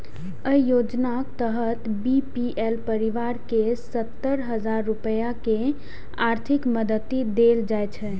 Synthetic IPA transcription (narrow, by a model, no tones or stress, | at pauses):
əijod͡ʒnakt̪əɦət̪bipiʔelpəɾiʋaɾkesət̪ːəɾɦəd͡ʒaɾːupəjake | aɾt̪ʰikməd̪ət̪ːid̪eld͡ʒajt͡ʃʰɛ